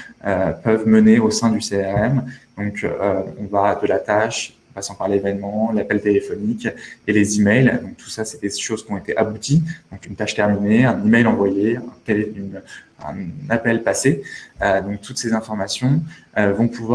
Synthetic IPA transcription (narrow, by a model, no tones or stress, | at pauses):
øpœvməneosɛ̃d̪yseɛʁɛmd̪ɔ̃køɔ̃vad̪əlat̪aʃɔ̃pasɑ̃paʁlevɛnmɑ̃lapɛlt̪elefɔnikʲelezimɛjld̪ɔ̃k̚t̪ʰu̥sasɛd̪eʃoz̥kʲiɔ̃et̪eʔabut̪id̪ɔ̃kynt̪aʃt̪ɛʁmineɛ̃nimɛjlɑ̃vwajeɛ̃t̪eleyn | ɛ̰̃napɛlpaseød̪ɔ̃k̚t̪ʰut̪sezɛ̃fɔʁmasjɔ̃øvɔ̃pʰuvwa